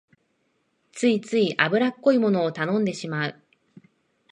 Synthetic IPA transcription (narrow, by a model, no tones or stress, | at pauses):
t͡sɨit͡sɨiʔabɯ̟ɾakːo̞imo̞no̞ːt̪anõ̞nd̪e̞ɕimaɯ